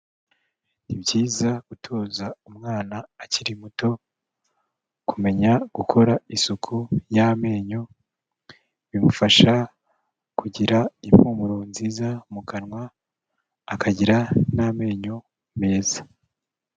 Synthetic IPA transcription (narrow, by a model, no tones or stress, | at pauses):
nibɟjiːzaɡ̥utʰo̞ːzaumŋaːnaːciɾimuto̞ | kume̞ɲaɡ̥ukʰo̞ɾaisukʰujame̞ːɲo̞ | βimufaʃa | kʰuɟiɾaim̥humuɾonziːzamukanŋwaː | kʰaɟiɾaname̞ːɲo̞ | me̞ːzḁ